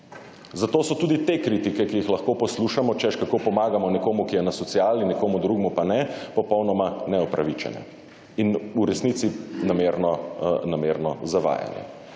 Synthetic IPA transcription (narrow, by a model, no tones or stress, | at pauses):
zat̪osɔt̪uːd̪it̪ekɾit̪ikɛkijixlaxkoːpɔsluʃamɔt͡ʃɛʃkakopɔmaːɡamɔnɛkoːmukijɛnasɔt̪siaːlninɛkoːmud̪ɾuːɡmupanɛpɔpɔwnɔmanɛɔpɾʔaʋit͡ʃɛ̰nɛ̰ | inuɾɛsnit̪sinameɾnɔnameːɾnɔzaʋa̰ːja̰njɛ̰